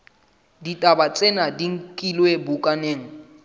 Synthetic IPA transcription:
ditʼabat͡sʼenadiŋ̩kʼilwebukʼaneːŋ̩

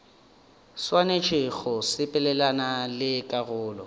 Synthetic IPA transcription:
swanet͡ʃʰɪɣʊsɪpʼɛlɛlanalɪkʼaɣʊːlɔ

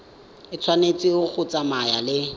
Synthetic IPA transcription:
ɪt͡sʰwanet͡sʼiʊk͡xʰʊt͡sʼamajalɪ

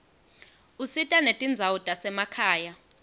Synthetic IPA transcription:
usitʼanetʼind͡zʱawutʼasɛmakʰaːja

